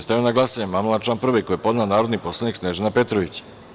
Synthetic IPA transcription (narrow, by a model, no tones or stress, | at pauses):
st̪ajionaɡlˠasaɲamamlˠat͡ʃlaːnpr̩ʋɛkojepo̞d̪nanaːɾod̪nipo̞slˠaniksneʒenapet̪ɾoʋit͡ɕ